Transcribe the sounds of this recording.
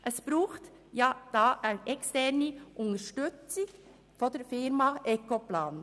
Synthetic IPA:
ʔɛsb̥ɾuːxt | jɑd̥ɑːʔaɪnʔɛkstɛɾnəʔʊŋəʃtʏt͡sɪ | fɔdɛɾfɪɾmɑʔɛkoplaːn

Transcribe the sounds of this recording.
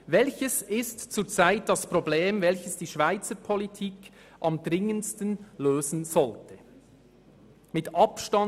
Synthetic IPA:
vɛlçəsɪstt͡suːt͡saɪt̚d̥ɑspʁobleːmvɛlçəsd̥iːʃv̥aɪt͡səpʰolitʰiːk | ʔɑmdʁɪŋənstənløːzn̩z̥ɔltə | mɪtʔɑpʃtɑ

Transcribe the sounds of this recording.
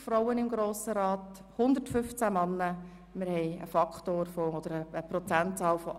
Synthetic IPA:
fɾoʊənɪmɡɾoːsəɾɑːt | hʊnd̪ərtfʏft͡sæmɑnːə | mɪɾhɛɪə̰fɑkχtoːɾfoɔd̥əɾəəpɾɔt͡sæntt͡sɑːlfɔʔ

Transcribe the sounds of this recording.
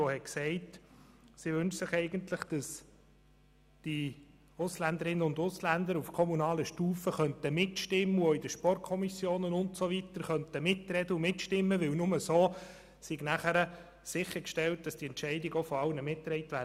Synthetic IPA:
ohɛksɛɪt | sɪʋʏnʃsɪχɛɪɡəntləχd̥ɑs | d̥i | ʊslænd̪əɾɪnənʊnd̪ʊslænd̪əɾufkʰɔmunɑːləʃtuːfəχœnt̪əmɪtʃtɪmːəoidəʃpɔrtkʰɔmisjoːnənʊntsoʋit̪əɾχœnt̪əmɪtːrɛd̥əumɪtʃtɪmːəʋɪlnʊməsoː | sɪɡnæχæɾə | sɪχəɾkʃtɛlt̚d̥ɑsd̥iɛntʃɛɪdɪɡɔfɔɑlnəmɪtːɾɛɪtʋæː

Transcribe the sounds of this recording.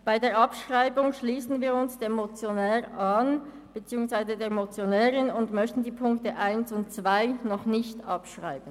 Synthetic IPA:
b̥aɪdeːɐʔɑpʃʁ̥aɪbʊŋʃliːsn̩viːɐʊnsd̥eːmot͡sjonɛːʁʔan | b̥ət͡siːʊŋsv̥aɪzədeːɐmot͡sjonɛːʁɪnʊndmœçtn̩diːpʰʊŋktəʔaɪnsʊnt̚t͡sv̥aɪnɔχnɪçtɑpʃʁa̰ɪbən̩

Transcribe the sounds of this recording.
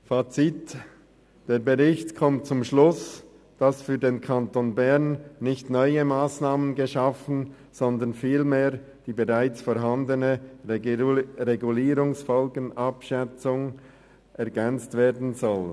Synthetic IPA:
faːt͡sit | d̥eːɐbəʁɪçtkʰɔmt̚t͡sʊmʃlʊs | d̥ɑsfyːɐdeːnkʰɑntonbɛʁnːɪçtnɔʏəmaːsnaːmənɡəʃɑfn̩ | z̥ɔndənfiːlmeːɾ | d̥iːbeʁaɪt͡sfoːɾɦandənə | ʁeɡuliːɾʊŋsfɔlɡənɑpʃɛt͡sʊŋ | ʔɛɐɡɛnt͡stv̥eːdn̩zɔl

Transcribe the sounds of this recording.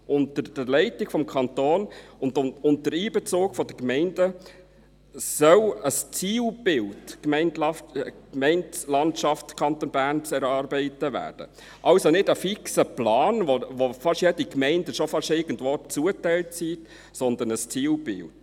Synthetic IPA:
ʊntəɾd̥əlɛɪtɪɡ̥fɔmkʰɑnt̪oːnʊndʊʊntdəɾiːbɛt͡soːkfɔd̪əkmɛɪndə | sœləst͡siːlb̥ɪltkmɛɪnlɑkmɛɪntslɑntʃɑftkʰɑnt̪onbæːrnt͡sɛɾɑːɾbɛɪtəvæ̰ːrd̥ə̰ | ʔɑʊsonɪdəfiksəplɑːnʋoʋofɑʃjɛdikmɛɪndəʃofɑʃɪɡəndʋoːt͡suətæɪltsiːt | sɔnd̪ənəst͡siːlb̥ɪ̰lt

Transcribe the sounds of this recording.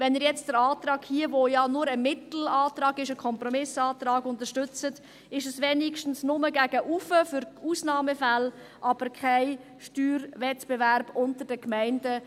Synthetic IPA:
vɛniɾjɛt͡std̥əɾɑːtrɑːkhiəʋojɑnʊɾəmɪtl̩ɑːtɾɑːɡɪʃəkʰɔmprɔmɪsɑːtɾɑːɡʊntəʃtʏt͡sət | ɪʃəsʋeːnɪkʃtn̩snʊməɡæɡ̥əʔufəfʏɾuːsnɑːməfæl | ʔɑb̥əɾkʰaɪ | ʃtyːɾvɛtb̥evæɾb̥ʊntəɾdəkmæɪndə

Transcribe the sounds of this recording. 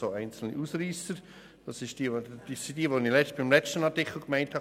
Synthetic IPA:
oːæɪnt͡sl̩nḭʔuːsɾiːsəɾ | d̥ɑsɪʃtd̥iːd̥isid̥iːʋoːnilɛb̥ɪmlɛt͡stənɑʁtɪkl̩ɡmæɪnthɑ

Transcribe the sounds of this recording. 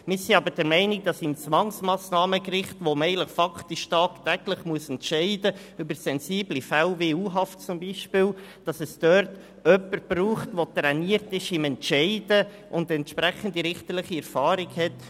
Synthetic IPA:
mɪɾsiɑbəɾd̥ɛɾmɛɪnɪk̚d̥ɑsɪmt͡sʋɑŋsmɑːsnɑːməkrɪχtʋomɛɪɡələχfɑkʰtiʃtɑːktæɡləχmuəsɛntʃɛɪdə | ʏbəɾsɛnsiːblifælveuːɦɑftt͡sʊmbiʃpɪːld̥ɑsəsd̥œɾt | œpːəɾb̥ruːχtʋot̪ɾɛniəɾtɪʃɪmɛntʃɛɪdə | ʔʊndɛntʃpɾɛχən̩diɾɪχtəɾlɪχiɛɾfɑːɾɪɡhɛt

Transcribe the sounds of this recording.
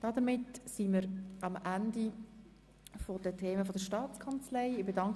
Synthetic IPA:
d̥ɑdəmɪtsiməɾɑmʔændi | fodətʰeːməfodəʃtɑːt͡skʰɑnt͡slɛɪɪbedɑŋk

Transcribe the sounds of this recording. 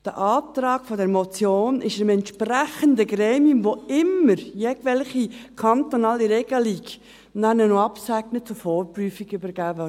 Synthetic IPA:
d̥ə̰ʔɑːt̪ɾɑːkfodɛɾmot͡sjoːnɪʃəmɛnt̪ʃpræχəndəɡɾeːmiumvoɪmːəɾjeɡ̥vɛlχikʰɑnt̪onɑːliɾɛɡ̥əlik | nænənoɑpsæɡnət͡sufoːɾpryːfiɡybəɾɡ̥æːvø

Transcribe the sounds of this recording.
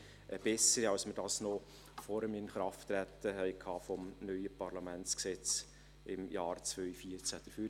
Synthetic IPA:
ʔəb̥ɛsəɾiɑlsmədɑːsnɔ | fɔɾəmɪnχɾɑft̪ːɾæt̪ːəɦɛɪkʰɑːfɔmnœʏəpɑɾlɑmænt͡sksɛt͡s | ʔɪ̰mjɑːrt͡sʋœʏfiəɾt͡sæd̥əføː

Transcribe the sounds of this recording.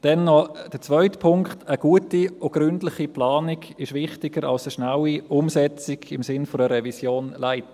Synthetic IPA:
d̥ɛnːɔd̥ət͡svœʏtpʰʊŋkχtəɡ̥uətioɡ̥ɾʏndlɪχiplaːniɡɪʃʋɪχtɪɡəɾɑlsəʃnawiʔʊmsɛt͡sɪɡɪmsɪnfoɾəɾɛvisjoːnlaɪt

